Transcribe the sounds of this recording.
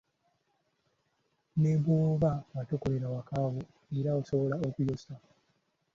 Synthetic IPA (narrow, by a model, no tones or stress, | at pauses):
nebuːβaβatokoɾeɾawakaβo | eɾaoso̞βolaokujosa